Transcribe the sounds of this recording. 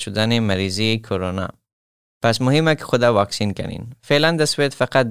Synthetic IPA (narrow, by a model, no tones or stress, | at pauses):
ʃʊd̪anemaɾizikʰoɾonɑ̰ | pas̬mʊhɪmakɪ̥xʊd̪awɑksinka̰nḭnfeland̪aswed̪faqat̪̚